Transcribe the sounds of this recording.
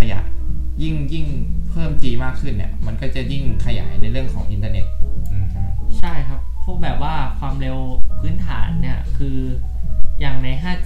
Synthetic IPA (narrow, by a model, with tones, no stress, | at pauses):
a˧ja̰ː˨˩˦n̚ji˥˩ŋji˥˩ŋpʰɤː˥˩mt͡ɕiː˧maː˥˩kʰːɯ˥˩nːḭ˦˥˩ɐma˧nkɔː˥˩t͡ɕa˨˩ji˥˩ŋkʰa˧ja̰ː˩˦jna˧jɾɯ˥˩əŋkʰɔː˩˦ŋʔi˧nt̪aː˧ne˦˥t̪̚ː | t͡ɕʰa˥˩jkʰa˦˥pʰːɔ˦˥bɛː˨˩p̚waː˥˩kʰwaː˧mɾe˧wpʰɯː˦˥nt̪ʰaː˩˦nːi˥˩ɐkʰɯː˧ | jaː˨˩ŋna˧jɦʰaː˥˩